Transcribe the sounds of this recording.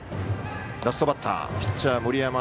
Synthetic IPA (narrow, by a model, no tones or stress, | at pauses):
d̪asɨ̥t̪obat̪ʰːa̰pʲi̥t͡ɕamoɾʲijama